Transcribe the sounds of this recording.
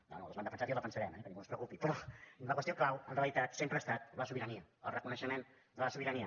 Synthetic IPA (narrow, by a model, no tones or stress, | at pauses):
no̰no̰ləzand̪əfənsat̪jolˠəfənsəɾɛmɛkənĩŋɡunspɾəwkupipɾɔləkwəst̪ioklawənreəlit̪at̪sempɾəːst̪at̪̚ləsuβiɾəniəə̰lˠrəkunəʃəmen | d̪ələsuβiɾəniə